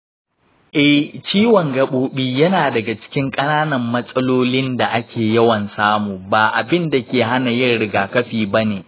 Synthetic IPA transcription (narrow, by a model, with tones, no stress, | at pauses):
ʔɛ˦t͡ʃiː˦wɔ˨ŋɡɐ˨ɓoː˦ɓiː˦jɐ˦naː˨dɐ˨ɡa˨t͡ʃɪ̥˦kʲɪ˦ŋkʼɐ˦naː˦nɐ˨mːɐ˦sʼɐ˦loː˦lɪ˦nda˨ʔa˦kʲeː˨jɐ˦wɐ˨nsaː˦muː˨baː˨ʔa˨bɪ˦nda˨kʲeː˨ɦa˦na˨jɪ˦rɽɪ˨ɡaː˨kɐ˦ɸiː˨bɐ˦neː˨